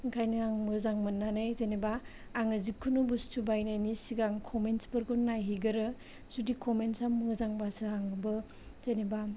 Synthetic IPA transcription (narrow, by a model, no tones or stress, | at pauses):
ŋkʰajnɯaŋmɯzaŋmɯnːanɯjzenebaː | ŋɯzikʰːunubustʰubajnajnisiɡaŋkʰɔmensbɯɾɡunːajɦiɡɯɾɯ | z̥udikʰɔmensaŋmɯzaŋbasɯaŋɯbɯ | z̥eneba